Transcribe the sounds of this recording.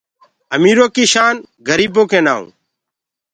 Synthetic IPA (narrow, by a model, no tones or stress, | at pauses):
əmiːɾoːkiːʃaːn | ɡʱəɾiːboːkẽːna̰ːṵ̃ː